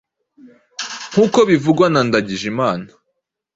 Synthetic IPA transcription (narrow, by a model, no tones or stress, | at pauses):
ŋ̥uːkoβivuɡwanandaɟiʒimaːna